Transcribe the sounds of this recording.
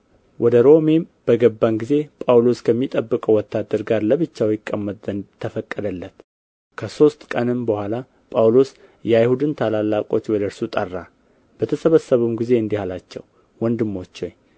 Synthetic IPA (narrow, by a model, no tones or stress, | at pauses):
wʔɔd̪əɾo̞me̞mb̥əɡəbːanɡize̞pʼawlo̞skʰəmːit̪ʼəbːɨkʼəwɔt̪ʰːad̪ːəɾɡaɾləβɨt͡ʃːawjɪkʼːəmːət̪ʼənt̪ʰəfəkʼːəd̪əlːət̪ | kʰəso̞st̪kʼənɨmbəhʷala | pʼawlo̞s | jɛajhud̪ɨnt̪ʰalalːakʼo̞t͡ʃwɔd̪əɾsut̪ʼərːa | b̥ət̪ʰəsəβəsːəβumɡize̞ɨnd̪ihalat͡ʃːɛ̰w | wɔnd̪ɨmːo̞t͡ʃːo̞ɲ